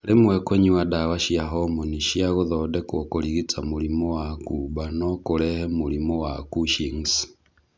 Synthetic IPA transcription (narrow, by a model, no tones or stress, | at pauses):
lemwɛkweɲiwadawaʃiaɦɔmoniʃiaɣoðɔdɛkokoɾiɣit͡samuɾimɔwakuβanɔkoɾɛhɛmuɾimɔwakuʃiŋs